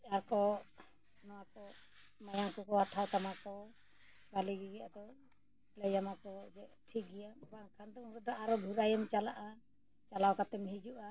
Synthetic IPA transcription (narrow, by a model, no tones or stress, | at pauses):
aɾkɔ | nɔwakɔ | majaŋkɔkɔɦat̪ʰawt̪amakɔ | ɡaliɡɛɡɛad̪ɔ | lɛjamakɔd͡ʒɛʈʰik̚ɡɛjabakʰand̪ɔunɾɛd̪ɔaɾɔb̪ʱuɾajɔmt͡ʃalaʔa | t͡ʃalawkat̪ɛmɦid͡ʒuʔa